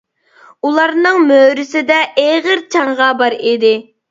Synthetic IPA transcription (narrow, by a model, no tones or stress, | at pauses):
ulˠɑɾnɨŋmøɾɪsɪd̪ɛʔeʁəɾt͡ʃʰɑŋʁɑbɑɾid̪ɪ